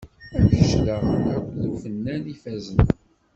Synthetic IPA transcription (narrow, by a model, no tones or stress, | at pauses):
æd̪əʃləaðəfənːænifæzən